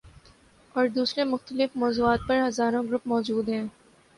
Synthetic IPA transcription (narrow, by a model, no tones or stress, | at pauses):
ɔːɾd̪uːsɾemʊxt̪əlɪfmɔːzuːaːt̪̚pɐɾɦɐzaːɾõɡɾʊpmɔːd͡ʒuːd̪ɦɛ̃ː